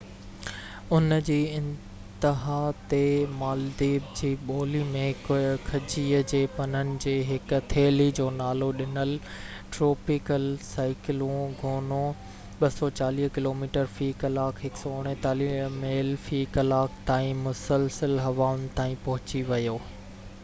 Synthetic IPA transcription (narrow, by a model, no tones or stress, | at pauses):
ʊnd͡ʑiːɪ̃n | t̪ɪɦaːt̪emaːld̪iːb̚d͡ʑiːɓoːlimẽkʰɐd͡ʑiːəd͡ʑeːpɐnənɪ̆d͡ʑeːɦɪk̆t̪ʰeːlid͡ʑoːnaːloɗɪnəl | ʈɾoːpɪkəlsaːɪkɪlũɡʱoːnõ | ɓɐsɔt͡ɕaːliːɦkɪloːmiːʈəɾfiːkɐlaːkɦɪksɔʊɽ̃ɪ̃t̪aːliːmeːlfiːkɐlaːkt̪aːĩmʊsəlsəlɦɐʋaːʊnɪ̆t̪ãːĩpɐɦʊt͡ɕiʋɐjoː